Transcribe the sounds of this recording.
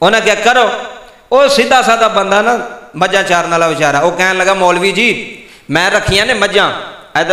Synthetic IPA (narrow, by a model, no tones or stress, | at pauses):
oːnãːɡɛkːəɾoː | oːsɪd̪ːaːsãːd̪aːbənd̪aːnaːməd͡ʒãːt͡ʃaːɾnaːlaːʋɪt͡ʃaːɾaːoːkɛ̃ːnləɡaːmɔːlʋiːd͡ʒiːt̪ | mɛ̃ːɾəkʰːiːjãːneːməd͡ʒãː | ɛː